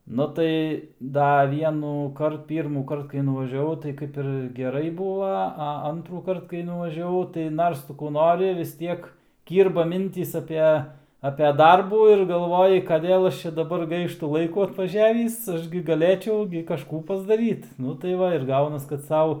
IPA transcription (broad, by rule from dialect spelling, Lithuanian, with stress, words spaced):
ˈnʊ tɐɪ ˈdɐ ˌʋʲiɛnuːˈkɐrt ˌpʲiːrmuːˈkɐrt kɐɪ nʊʋɐʒʲɛˈʋɐʊ tɐɪ ˈkɐɪp ɪr ɡʲɛˈrɐɪ ˈbʊʋɐ ɐ ˈɐntruːkɐrt kɐɪ nʊʋɐʒʲɛˈʋɐʊ tɐɪ ˈnɐrs ˈtʊ kuː ˈnoːrʲɪ ʋʲɪs ˈtʲiɛk ˈkʲiːrbɐ ˈmʲɪnʲtʲiːs ˈɑːpʲɛ ɐpʲɛ ˈdɐrbuː ɪr ɡɐlˠˈʋoːjɪ kɐˈdʲeːlˠ ˈɐʃ ˈt͡ʃʲɛ dɐˈbɐr ˈɡɐɪʃtʊ ˈlˠɐɪkuː ɐtʋɐˈʒʲæːʋʲiːs ˈɐʃ ɡʲɪ ɡɐˈlʲeːt͡ʃʲɛʊ ɡʲɪ kɐˈʃkuː pɐzdɐˈrʲiːt ˈnʊ tɐɪ ˈʋɐ ɪr ˈɡɐʊnɐs kɐt ˈsɐʊ